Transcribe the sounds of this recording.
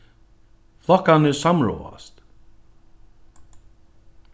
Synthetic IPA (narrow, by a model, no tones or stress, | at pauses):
flˠɔhkanɪsamɹɔ̰ːa̰st̪